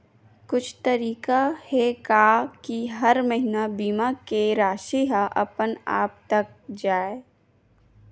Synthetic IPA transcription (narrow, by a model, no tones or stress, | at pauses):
kʊt͡ʃʰt̪ɐɾiːkahekaːkiɦɐɾməɦɪnabiːmakeɾaːʃiɦaʔɐpəna̰ːp̚t̪ɐk̚d͡ʒaːe